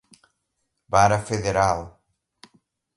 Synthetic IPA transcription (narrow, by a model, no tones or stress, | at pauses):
baɾɐfeðeɾal